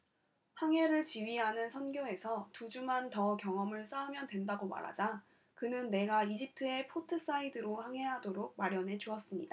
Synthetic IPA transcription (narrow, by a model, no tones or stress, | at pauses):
haŋɦe̞ɾɯɭt͡ɕiɥiɦanɯnsʰʌnɡjoe̞sʰʌtud͡ʑumantʌkjʌŋʌmɯɭs͈aumjʌndwe̞ndaɡoma̰ɾɦa̰d͡ʑa | kɯnɯnːe̞ɡaid͡ʑip̚tʰɯe̞pʰotʰɯs͈aidɯɾohaŋɦe̞ɦadoɾoɡ̚maɾjʌnɦe̞d͡ʑuʌs͈ɯmɲḭda